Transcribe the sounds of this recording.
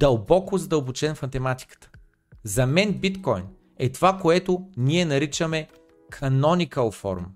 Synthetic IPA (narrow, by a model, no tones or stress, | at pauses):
d̪̥ɐlˠbɔkʊzɐd̪əlˠbot͡ʃɛnfmɐt̪ɛmat̪i̥kə̥t̪ə̥ | zɐmɛnbit̪kɔjn | ɛt̪ovakoɛt̪ʊniɛnɐɾit͡ʃəmɛ | kʰɐnɔnʲikəlˠfɔ̰ɾm